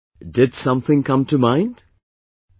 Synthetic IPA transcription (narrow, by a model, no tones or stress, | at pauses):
dɪd̥sʌ̃mθɪ̃ŋkʰʌ̃mtʰɨmãɪ̃nd̥